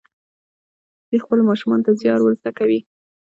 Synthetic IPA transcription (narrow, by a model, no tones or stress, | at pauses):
d̪̥expəlmɑʃumɑnt̪azjɑɾwəɾsakawi